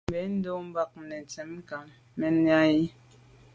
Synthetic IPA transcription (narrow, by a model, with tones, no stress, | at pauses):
bɛ˨˦n̩˦do˦m̩˦ba˦k̚nɛ˨tɛ˨˦m˦ka˨n | mɛ˨nja˦ji˦